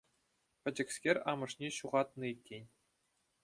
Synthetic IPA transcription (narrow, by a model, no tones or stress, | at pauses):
pʲɘ̆d͡ʑɘ̆ksʲkʲerʲɑmɤ̆ʂnʲeɕuʁɑt̪nɤikʲːenʲ